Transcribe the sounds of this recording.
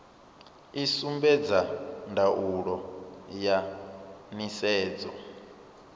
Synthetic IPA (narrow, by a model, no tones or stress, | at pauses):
isumbɛd͡zandʱaʔuɺɔja | nisɛːd͡zɔ̰